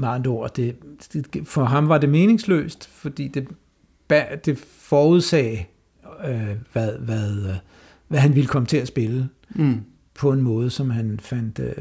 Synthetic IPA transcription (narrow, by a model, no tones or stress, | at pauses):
mɑ̈ndo̝ɐ̰d̥e̝̥e̥fɒɦɑ̈mʋɑ̈de̝me̝ːne̝ŋslø̰ːsd̥fɒ̽d̥ḭːd̥e̝ | b̥æd̥e̝ | fɒːuð̞̰ˠsɛ̰ː | øʋæðˠʋæðˠ | ʋæɦænʋiləkʰɒ̽mət͡sʰe̝æsb̥e̝lə | pʰɒ̽e̝nmɔ̽ːð̞̩ˠəsɒ̽mɦænfæn̰d̥